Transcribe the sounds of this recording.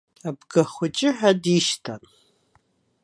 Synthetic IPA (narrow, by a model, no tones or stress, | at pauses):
abɡɐχʷʊt͡ʃʼɪħadiʃtʰan